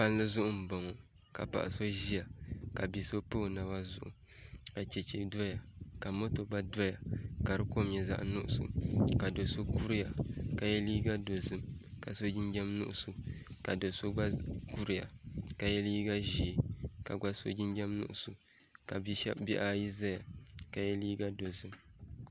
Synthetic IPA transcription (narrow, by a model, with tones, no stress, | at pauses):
pa˦n˦lɨ˦zʊ˦ʔʊ˦m̩˨ba˨ŋo˨ | ka̰˨pa̰˨ʔa˨so˦ʒi˦ja˨ka˨bi˨so˦poː˦˨na˨ba˦zʊ̰˨ʔʊ̰˨ | ka˨t͡ʃɛ˨t͡ʃe˨do˦ja˨ka˨mo˦to˨ɡ͡ba˦do˦ja˨ka˨ɾɨ˦ko˦˨mɲɛ˨za̰˦ʔnʊ˦ʔʊ˦˨so̰˨ka˨do˨so˦ku˦ɾi˦ja˨ka˨jɛ˦liː˦ɡa˦do˨zɨ˦mka˨so˦d͡ʒi˦nd͡ʒɛ˦mnʊ̰˦ʔʊ˦so˨ka˨do˨so˦ɡ͡ba˦ɡu˦ɾi˦ja̰˨ka˨jɛ˦liː˦ɡa˦ʒi˨ka˨ɡ͡ba˦so̰˦d͡ʒi˦nd͡ʒɛ˦mnʊ̰˦ʔʊ˦˨so˨ | ka˨bi˦ɛ̰˦bi˦ʔa˦ji˦za˦ja˨ka˨jɛ˦liː˦ɡa˦do˨zɨ˦m